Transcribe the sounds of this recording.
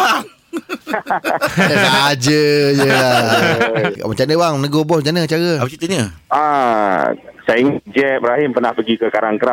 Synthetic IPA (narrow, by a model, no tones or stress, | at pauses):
a | ad͡ʒəd͡ʒəa̰ | mət͡ʃanəbaŋnəɡobɔst͡ʃanət͡ʃaɣəapət͡ʃit̪əɲəa | saiŋd͡ʒɛp̚ɾaɦɪmpərnahpəɡikəkaɾaŋkəɾa